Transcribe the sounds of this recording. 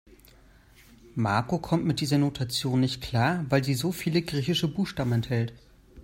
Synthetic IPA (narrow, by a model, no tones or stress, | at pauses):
maɐkokʰɔmtmɪt̚d̥iːzɐnotʰat͡sjoːnːɪçt̚kʰl̥aːɐvaɪlziːzoːfiːləɡʁiːçɪʃəbuːxʃtaːbm̩ɛnthɛlt